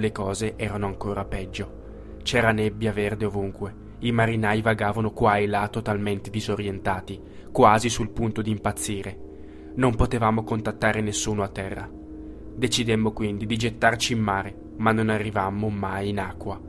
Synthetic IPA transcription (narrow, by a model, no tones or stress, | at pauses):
lekɔːzeʔɛːɾanoaŋkoːɾapɛd͡ʒːo | t͡ʃɛːɾanebːjaverd̪eovuŋkwe | imaɾinaːjvaɡaːvanokwajlat̪ːot̪alment̪ed̪izoɾjent̪aːt̪i | kwaːzisulpunt̪od̪iːmpat̪sːiːɾe | nompot̪evaːmokont̪at̪ːaːɾenesːuːnoat̪ːɛrːa | d̪et͡ʃid̪emːokwind̪id̪id͡ʒet̪ːart͡ʃiːmːaːɾe | manːonarːivamːomajinakːwa